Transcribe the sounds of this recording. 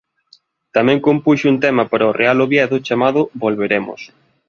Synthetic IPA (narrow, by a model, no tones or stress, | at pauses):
t̪amɛ̃ŋkompuʃunt̪ɛmɐpaɾɐorealoβjɛðʊt͡ʃamaðʊbolβeɾemʊ̰s